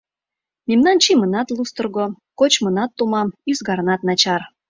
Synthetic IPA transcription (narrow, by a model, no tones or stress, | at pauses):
memnɑnt͡ɕimənɑt̪lust̪ə̆rɣo | kot͡ɕmɤ̆nɑt̪ːumɑmyzɡɑɾnɑt̪nɑt͡ɕɑr